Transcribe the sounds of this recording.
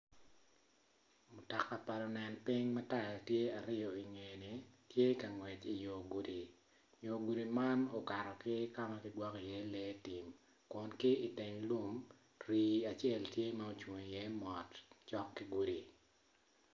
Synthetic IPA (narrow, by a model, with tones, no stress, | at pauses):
mʊ˨ta˨kːa˨pa˨lɔ˨nɛ˨npɪ˦ŋmɛ˦ta˨jtje˦a˨ɾɪ˦jɔ˨i˨ŋe˨ne˨tje˦ka˨ŋwɛ˨t͡ʃi˨jo˨ɡu˨di˨ | jo˨ɡu˨di˨ma˦no˨ka˨ɾɔ˨kɪ˦ka˦ma˦kɪdwɔ˦ki˨jɛ˦lɛ˦ti˨m | kʊ˨nkɪ˦i˨tɪ˨ŋlu˦m | ɾiː˨a˨t͡ʃjɛ˦˨ltje˦ma˦o˨t͡ʃwo˨ŋ˨jɛ˦mɔ˨tt͡ʃɔ˦kːɪ˦ɡu˦di˨